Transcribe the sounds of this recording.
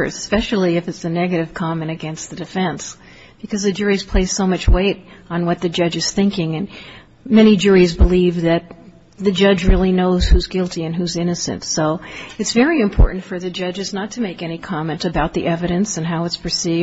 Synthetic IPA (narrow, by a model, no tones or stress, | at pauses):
spɛʃl̩ˠiɨfɨtsɨnɛɡɨɾɨv̥kʰɑmɨ̃ɾ̃ɨɡɛ̃nst̪̚ðɨdɨfɛ̃ns | b̥ɨkʰʌzðɨd͡ʒʊɹiz̥pʰl̥eɪz̥soʊmʌt͡ʃweɪɾn̩wʌt̪̚ðɨd͡ʒʌd͡ʒɨz̥θɪ̃ŋkɪ̃ŋɨ̃n | mɛɾ̃id͡ʒʊɹizbəlivðɨt̪̚ | ðɨd͡ʒʌd͡ʒɹɪlˠinoʊz̥huzɡɪlˠtiɨ̃nɦʉzɪ̃nɨsɨ̰̃ntsoʊɨtsvɛɹiɨ̃mpʰɔ̰ɹʔn̩tfə˞ðɨd͡ʒʌd͡ʒɨznətʰɨmeɪkɛñikʰɑmɨ̃ntɨbaʊt̪̚ðḭʔɛvɨɾɨ̃nsɨ̃nɦaʊɨtspʰə˞si